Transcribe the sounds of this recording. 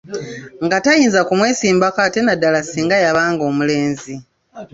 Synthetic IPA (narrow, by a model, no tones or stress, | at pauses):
ŋɡatajiːnzakumwe̞ːsiːmbakaːte̞nadːalasiːŋɡajaβaːŋɡo̞ːmule̞ːnzi